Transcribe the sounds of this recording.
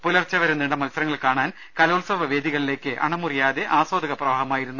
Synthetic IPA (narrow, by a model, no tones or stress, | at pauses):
pulɐrt͡ɕːɐʋɐɾeniɳɖɐmɐlsɐɾɐŋːɐɭkaːɳaːn | kɐloːlsɐʋɐʋe̞ːd̪iɣɐɭile̞ːkʲːɨʔɐ̰ɳɐmurijaːðeʔaːsoːd̪ʱɐɣɐprɐʋaːɦɐmaːjiɾunːu